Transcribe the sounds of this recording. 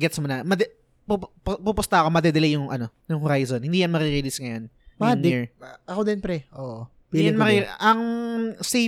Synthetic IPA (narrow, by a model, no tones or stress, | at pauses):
ɡɛt̪smʊnɐmɐd̪ɛ | puppupʊst̪ɐʔɐko̞mɐd̪ɛd̪ɐlɛjʊŋʔɐ̰no̞jʊŋhʊɾajzonhɪnd̪ijɐnmɐɾɪɾɛlisŋɐjo̞n | mniɹʔɐkod̪ɪnpɾɛʔoʔo | bjanmɐɾɪʔɐŋse